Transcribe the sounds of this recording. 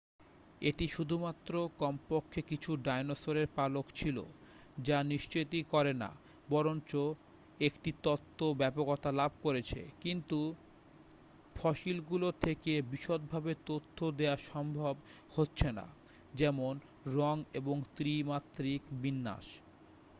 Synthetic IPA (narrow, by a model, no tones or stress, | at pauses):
eʈiʃud̪ʱumat̪ːɾokɔmpokʰːekit͡ɕʰuɖajnosoɾeɾpalokt͡ɕʰilo̰ | d͡ʑaniʃt͡ɕojt̪ikɔɾena̰ | bɔɾont͡ɕo | ekʈit̪ɔt̪ʰːobɛpokɔt̪alab̚ʱkoɾet͡ɕʰḛkint̪u | fʰɔʃilɡulot̪ʰekebiʃot̪̚bʱabet̪ot̪ʰːod̪eaʃɔmbʱob | hotːɕʰena̰ | d͡ʑɛmon | ɾɔŋeboŋt̪ɾimat̪ːɾikbinːa̰ʃ